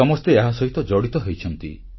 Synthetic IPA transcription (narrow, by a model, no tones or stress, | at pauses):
ɔmɔst̪eeɦasɔɦit̪ɔd͡ʒɔɽit̪ɔɦejt͡ʃʰɔnt̪ḭ